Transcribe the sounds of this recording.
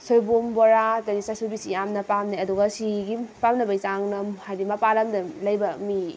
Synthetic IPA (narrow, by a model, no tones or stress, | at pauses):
sojbombɔɾatɐnisasubisijamnɐpamniɐduɡɐsiɡipamnɐbɐjzaŋnɐmhajdimɐpalɐmdɐlɐjbɐmi